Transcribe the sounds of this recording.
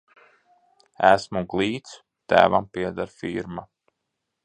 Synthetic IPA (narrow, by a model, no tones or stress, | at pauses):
æsmuɡlˠiːt̪s | t̪æ̰ːvampiɛd̪aɾfiɾma